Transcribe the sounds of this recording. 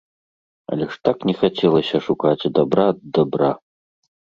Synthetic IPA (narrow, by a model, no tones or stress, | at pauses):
ɐ̰lʲɛʂt̪aknʲɛxat͡sʲɛlˠɐsʲɐʂukat͡sʲd̪abɾad̪abɾa